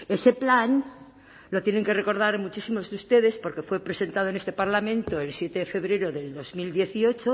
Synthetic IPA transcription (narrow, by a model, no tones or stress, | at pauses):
e̞se̞plan | lo̞t̪je̞ne̞ŋke̞re̞ko̞ɾð̞aɾmut͡ʃisimo̞zðeust̪e̞ðe̞spo̞ɾke̞fwe̞pɾe̞se̞nt̪að̞oenest̪e̞paɾlamẽnt̪oelsje̞t̪eðefe̞βɾe̞ɾoðe̞ld̪o̞zmild̪je̞θio̞t͡ʃo